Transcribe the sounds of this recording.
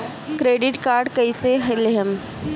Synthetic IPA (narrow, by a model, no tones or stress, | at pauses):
kɾeːɖɪʈkaːɾɖkɐiseɦɐleɦəm